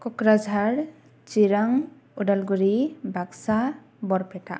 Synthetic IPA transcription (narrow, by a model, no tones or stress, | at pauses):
kɔkɾad͡ʒʱaɾ | t͡ʃiɾaŋ | uɖalɡuɾibaksa | bɔɾpɛʈa̰ʔ